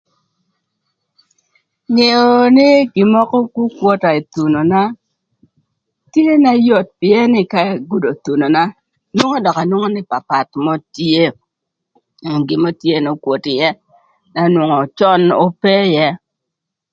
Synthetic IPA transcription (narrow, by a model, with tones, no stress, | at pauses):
ɲe˨o˨nɪ˦ɡi˨mɔ˦kɔ˦ku˦kwo˦ta˨i˨t̪u˨no˨na˦ | tje˦na˦jo˨t̚pɪ˨ɛ˦nɪ˦ka˦˨ɡu˨do˨t̪u˨no˨na˦ | nwo˦ŋo˦dɔ˨ka˨nwo˦ŋo˦nɪ˦pa˨pa˨tmɔ˦tje˦˨ | ɡi˨mo˦tje˦no˦kwo˨tɪ˨jɛ˦ | na˦nwo˨ŋɔ˨t͡ʃɔ˦no˦pe˦jɛ˦